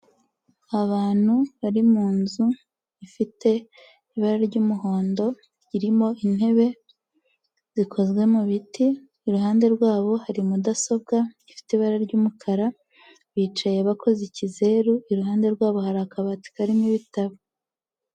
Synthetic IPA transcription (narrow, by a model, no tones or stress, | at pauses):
aβaːn̥huβaɾimuːnzu | ifitʰe̞ | iβaɾaɾɟuːmuɦo̞ːndo̞ | iɾimo̞in̥he̞βe̞ | z̥ikʰo̞zɡwe̞muβitiː | ɾuɦaːnde̞ɾɡwaːβo̞haɾimudaso̞b̚ɡaifi̥teiβaɾaɾɟuːmukʰaɾa | βiːt͡ʃaje̞βakʰo̞zicize̞ːɾuiɾuɦaːnde̞ɾɡwaːβo̞haɾakaβati̥kaɾimiβitaβo